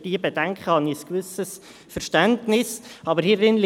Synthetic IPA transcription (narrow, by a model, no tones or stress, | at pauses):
d̥iːəbɛdæŋkχəhɑniəskʋʏsəs | fəɾʃtæntnɪsɑbəɾhirɪnl